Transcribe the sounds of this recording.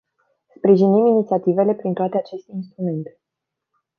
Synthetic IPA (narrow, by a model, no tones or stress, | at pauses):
spɾiʒiniminit̪siat̪ive̞le̞pɾint̪oat̪eat͡ʃe̞st̪inst̪ɾume̞nt̪e̥